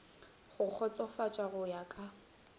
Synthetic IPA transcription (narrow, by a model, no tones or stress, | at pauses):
χʊq͡χʰɔt͡sʼɔfat͡ʃʼaɣʊjakʼa